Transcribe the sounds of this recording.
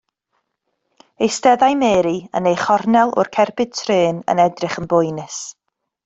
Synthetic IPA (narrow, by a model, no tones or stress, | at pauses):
ejstɛðajmeːɾiə̰nejχɔrnɛlˠʊ̰rkʰɛrbɨd̚tʰreːnə̰nɛdrɪχənbʊjnɪs